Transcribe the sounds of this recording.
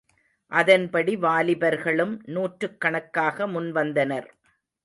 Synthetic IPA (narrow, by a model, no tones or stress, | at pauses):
ʔɐðɐnpɐɽiʋaːlɪbɐɾɣɐɭɯmnuːʈɾɯkːɐɳɐkːaːɣɐmʊnʋɐnd̪ɐnɐɾ